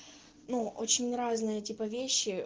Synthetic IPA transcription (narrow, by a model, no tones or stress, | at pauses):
nuʔo̰t͡ɕɪnʲɾaznɨjətʲipəvʲeɕːɪ